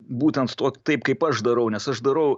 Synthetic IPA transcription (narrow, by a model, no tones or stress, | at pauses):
buːt̪ʲɛnt̪t̪oːkʲt̪ɐɪpkɐɪpɐʃd̪ɐɾɐʊnʲɛsɐʃd̪ɐɾɐʊ